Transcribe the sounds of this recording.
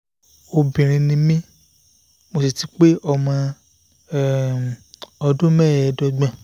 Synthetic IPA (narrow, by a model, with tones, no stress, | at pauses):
o˧bĩ˨ɾ̃ĩ˧nĩ˧mĩ˦ | mo˧si˨ti˨˦k͡pe˦ʔɔ˦˧mã˧˦˨ | ɔ˧dũ˦mɛ̃ː˦˨ɛ˨˧dɔ˧ɡ͡bɛ̃˦˨